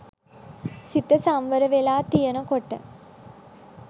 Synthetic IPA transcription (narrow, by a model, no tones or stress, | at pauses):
sit̪əsamʋəɾəʋelaːt̪ijənəkoʈə̰